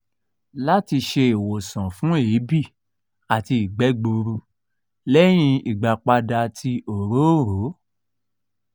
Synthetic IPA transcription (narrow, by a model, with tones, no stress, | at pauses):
la˦ti˧ʃe˧e˨wo˨sã˨fũ˦e˨˦bi˦˨ | a˨ti˧i˨ɡ͡bɛ˨˦ɡ͡bo˧ɾu˧ | lɛ˦j̃ĩ˧i˨ɡ͡ba˨k͡pa˧da˧tʰi˧ʔo˨ɾo˨˦ɾo˨˦